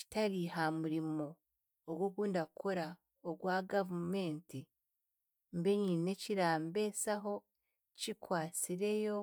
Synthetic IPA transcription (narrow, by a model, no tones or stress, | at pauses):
ci̥taɾihamuɾimo̞ː | ɡwokuːndaukʰoɾa | oɡwaːɡavume̞ːnti | mbe̞ɲiːne̞ciɾaːmbe̞saɦo̞ | cikwaːt͡siɾe̞jo̞